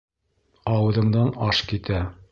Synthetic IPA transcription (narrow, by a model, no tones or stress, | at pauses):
ɑwɤ̆ðɤ̆ɴd̪ɑnɑʃkit̪æ